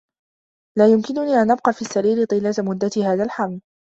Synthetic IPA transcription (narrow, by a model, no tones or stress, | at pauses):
laːjʊmkɪnʊniːʔanʔab̚qɑːfiːʔsːaɾiːɾɪt̪ˤɨːlːat̪mʊd̪ːat̪iːhaːðalħaml